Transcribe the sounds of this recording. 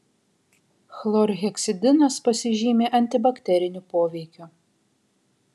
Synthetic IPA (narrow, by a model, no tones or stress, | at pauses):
xlˠɔɾɣʲɛksʲɪd̪ʲɪnɐspɐsʲɪʒʲiːmʲeːʔɐnʲt̪ʲɪbɐkʲt̪ʲɛɾʲɪnʲʊpoːʋʲɛɪkʲu